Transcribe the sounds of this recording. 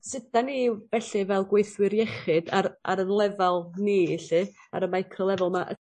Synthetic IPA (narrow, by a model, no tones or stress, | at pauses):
sɪdanivɛɬɨvɛlˠɡwejθwɨɾjɛχɨdaɾa̰ɾənlˠɛvalˠniːɬɨ | a̰ɾəmajkʰrɔlˠɛvɔlˠmaʔə̰